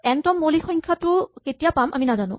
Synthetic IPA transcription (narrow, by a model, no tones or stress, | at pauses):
ɛntɔmːolixɔŋkʰatʊketijapama̰minazanʊ̰̃